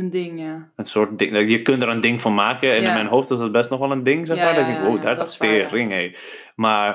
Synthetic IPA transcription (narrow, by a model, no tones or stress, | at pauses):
ndɪŋ | ənsʊːɹt̚dɪŋjəkøntdəɾəndɪŋfɔnmaːkəɛnɪnmɛjnɦoːftɪs̬dɔt̚bɛstnɔxʋɔlˠəndɪŋsɛxmaːɹdɔɪk̚dɪ̃ŋkwoːdattɪːrɪŋeː | ma